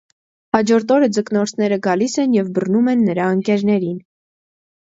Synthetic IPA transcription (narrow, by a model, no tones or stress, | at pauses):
hɑd͡ʒɔɾt̪ɔɾəd͡zəknɔɾt͡sʰnɛɾəɡɑlisɛnjɛvbərnumɛnːəɾɑəŋkɛɾnɛɾin